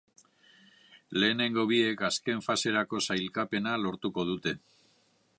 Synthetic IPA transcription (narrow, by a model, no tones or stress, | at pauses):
le̞ːne̞ŋɡo̞β̞ie̞kaske̞ɱfase̞ɾako̞sajlkape̞nalo̞ɾt̪uko̞ð̞ut̪e̞